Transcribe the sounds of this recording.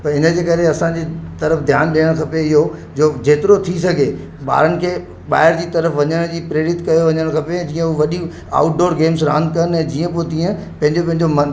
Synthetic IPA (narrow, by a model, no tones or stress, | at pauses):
pɐɾɪnə̆d͡ʑeːkɐɾeɐsãd͡ʑeːt̪ɐɾəfd̪ʱjaːnɗiːəɽ̃kʰɐpeɪɦod͡ʑoːd͡ʑeːt̪ɪɾot̪ʰisɐɡʱe | ɓa̰ːɾənɪ̆kʰeː | ɓa̰ːɪɾd͡ʑiːt̪ɐɾəfʋɐɲəɽ̃d͡ʑiːpɪɾeːɽɪt̪kɐjoʋɐɲəɽ̃kʰɐpẽd͡ʑiːə̃ʊʋɐɗi | a̰ːʊʈ̚ɖoːɾɡeːmsɾã̰ːnd̪̚kɐənɛ̃ːd͡ʑiːə̃poet̪iːə̃ | pɐ̃ɦɪ̃ɲd͡ʑopɐ̃ɦɪ̃ɲd͡ʑomɐ